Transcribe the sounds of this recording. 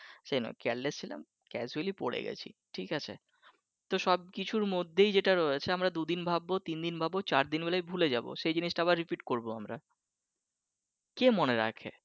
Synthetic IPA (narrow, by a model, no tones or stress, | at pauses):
ʃejno̰kɛllest͡ɕʰila̰m | kɛd͡ʑualipoɽḛɡɛ̰t͡ɕʰḭʈʰikat͡ɕʰe | t̪oʃɔb̚kit͡ɕʰuɾmod̪ʱːejd͡ʑeʈaɾoet͡ɕʰeamɾad̪ud̪inbʱabːot̪ind̪inbʱabot͡ɕaɾd̪inbelajbʱuled͡ʑabo̰ʃejd͡ʑiniʃʈaɛβaɾːipiʈkoɾboamɾa | kemoneɾa̰kʰḛ